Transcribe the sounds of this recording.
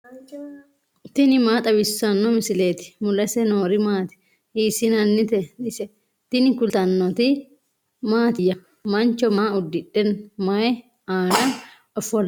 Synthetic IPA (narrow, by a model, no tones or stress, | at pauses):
t̪ɪnɪmaːt̪ʼɐbɪsːɐnːɔmɪsɪleːt̪ɪ̥mʊlɐsɛnoːɾɪmaːt̪ɪ̥ | iːsɪnɐnːɪt̪ɛɪsɛ | t̪ɪnɪkʊlt̪ɐnːɔt̪ɪ | maːt̪ɪjːɐ | mɐnt͡ʃɔmaːʊd̪ːɪᶑɛnmɐɛ | aːnɐ | ɔfɔl